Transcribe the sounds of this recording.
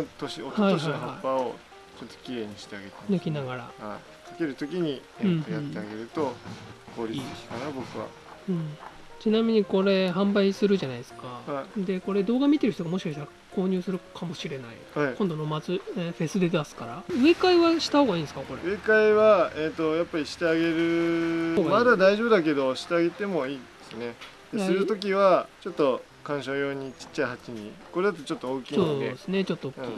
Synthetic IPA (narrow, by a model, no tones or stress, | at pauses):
t̪oɕiot̪haiooɕhaohaaipːao | t͡ɕot̪ːo̥kʲiɾe̞ːɲ̟iɕi̥t̪e̞aɡe̞t̪emnokʲinaɡaɾa̰ha | kʰḁke̞ɾɯ̟t̪o̞kʲiɲ̟i | ẽt̪ːojãt̪ːe̞aɡe̞ɾɯ̟t̪o̞ko̞ːɾʲit͡sːd̪esɨ̥kanabo̞kɯ̟βa̰ | ɯ̟̃ɴ | t͡ɕinamʲiɲ̟iko̞ɾe̞ɦãmbaisɨɾɯ̟ʑanaiesɨ̥kahad̪e̞ko̞ɾe̞d̪o̞ːɡamʲit̪eɾ̟ç̥it̪oɡamo̞ɕi̥kaɕi̥t̪aɾa | ko̞ːɲ̟ɨːsɨɾɯ̟kʰamo̞ɕiɾe̞naḭ | haikõnd̪onomat͡sɨ̃ɸe̞sɨd̪e̞d̪asɨ̥kaɾaɯ̟e̞kaiβaɕi̥t̪aho̞ːɡaĩːnd̪sɨ̥kako̞ɾeɯ̟e̞kaiβaet̪o̞japːaɾʲiɕi̥t̪e̞aɡe̞ɾɯ̟oɡamad̪ad̪aiʑo̞ːbɯ̟d̪ak̬e̞d̪o̞ɕi̥t̪e̞aɡe̞t̪e̞mo̞iːd̪esɨne̞ | d̪̥esaɨɾɯt̪o̞k̬ʲiβat͡ɕo̞t̪ːo̞ | kãɰ̃ɕoːjo̞ːɲ̟it͡ɕi̥t͡ɕːaiɦat͡ɕiɲ̟ḭko̞ɾe̞d̪at̪ot͡ɕo̞t̪ːooːkʲiːsonːeesɨne̞t͡ɕo̞t̪ːokː